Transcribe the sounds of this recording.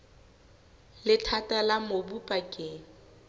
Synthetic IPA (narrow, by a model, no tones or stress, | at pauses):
lɪtʰatʼalamobupʼakʼɪ